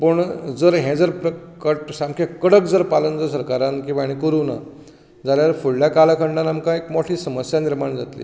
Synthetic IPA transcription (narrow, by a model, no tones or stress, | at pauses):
pəɳd͡zəɾɦɛ̃d͡zəɾpɾəkəʈsamkʰjakəɽəkd͡zəɾpalənd͡zəɾs̬əɾkaɾãnkĩʋaɽ̃ikəɾuːna̰ | d͡zaljaɾfuɽljakalakʰəɳɖãnamkãekmɔʈʰiːsəməsjaniɾmaɳd͡za̰t̪lḭː